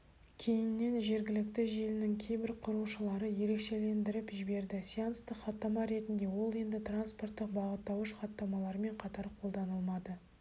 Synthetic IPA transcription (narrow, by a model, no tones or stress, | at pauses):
kʲʰe̞jɪnːe̞nʒe̞ɾɡʲɪlɪkt̪ɪʒe̞lɪnɪŋkʲʰe̞jbɪɾqʰʊɾuʃəlˠɑɾəje̞ɾe̞kʃe̞le̞nd̪ɪɾɪpʒɪbe̞ɾd̪ɪsʲianst̪əqχɑt̪ːɑmɑɾe̞t̪ɪnd̪e̞wo̞lˠje̞nd̪ɪt̪ranspo̞rt̪ːəq̚bɑʁət̪ːɑwəʃχɑt̪ːɑmɑlˠɑɾme̞ɴqʰɑt̪ɑɾqʰo̞lˠd̪ɑnəlˠmɑd̪ə